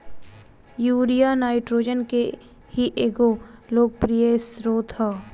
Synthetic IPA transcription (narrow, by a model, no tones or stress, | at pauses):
juːɾijanaːɪʈɾoːd͡ʒənke | hiʔeːɡoloːɡ̚pɾijesɾoːt̪ɦɛ